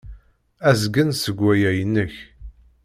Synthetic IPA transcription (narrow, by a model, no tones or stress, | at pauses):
æzɡənsəɡʷːæjæjənːəç